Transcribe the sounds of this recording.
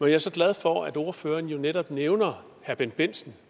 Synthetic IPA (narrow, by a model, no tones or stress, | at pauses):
mejɑ̈æɐsɒ̽ɡ̥lɛð̞ˠfɒæd̥o̝ɐføːɐnjo̝neɾ̥ɒ̽b̥neʊnɐ | hæɐb̥enb̥e̝n̰sn̩